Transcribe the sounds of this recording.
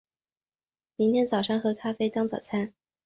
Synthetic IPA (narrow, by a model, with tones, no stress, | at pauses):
mi˧˥ŋt̪ʰjɛ˥nt͡sɑ˨˩ʊʂɑ˥ŋxɤ˧˥kʰa˥fe˥ɪt̪ɑ˥ŋt͡sɑ˨˩ʊt͡sʰa˥n